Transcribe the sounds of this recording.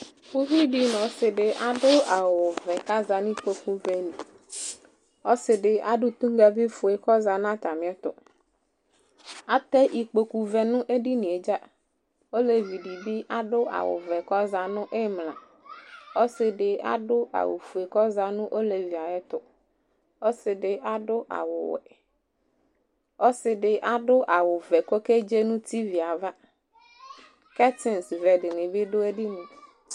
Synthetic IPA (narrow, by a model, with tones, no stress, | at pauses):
fu˦vi˦ɖi˦nɔ̃˨˦sɪ˨ɖɪ˨ʔa˨ɖʊ˦a˨wʊ˨vɛ˨ka˦za˨n˦ĩ˦k͡po˨ku˨vɛ˨nĩ˨ | o˦sɪ˨ɖɪ˦a̰˦ɖʊ˦t̪u˦ŋ˦ɡa˦vi˦fʊ˨e˨kɔ˦za˨nã˦t̪a˨mɪ̃˨˦ɛ˦t̪ʊ̰˨ | a˦t̪ɛ˦ʔi˨k͡po˨ku˨vɛ˨nʊ̃˦ʔe˦ɖi˦nĩ˨e˨d͡ʒa˦ | o˦le˨vi˨ɖi˨bi˦ʔa˦ɖʊ˦ʔa̰˨wʊ̰˨vɛ˨kɔ˦za˨nʊ̃˦ʔe˦mlã̰˨ | o˦sɪ˨ɖɪ˨ʔa̰˦ɖʊ˦a̰˨wʊ̰˨fu˨e˨kɔ˦za˨nʊ̃˦ʔo˦le˨vi˨a˨ɛ˦t̪ʊ˨ | o˦sɪ˨ɖɪ˨ʔa˨ɖʊ˦ʔa̰˨wʊ̰˨wɛ̰˨ | ɔ˦sɪ˨ɖɪ˨ʔa˨ɖʊ˦ʔa˨wʊ˨vɛ˨ko˦ke˦d͡ʒe˦nũ˦t̪i˦vi˨a˨va˦ | kɛ˦t̪ɪ˨nsvɛ˨ɖɪ˨nɪ̃˨bɪ˦ɖʊ˦e˦ɖi˦nʊ̃˨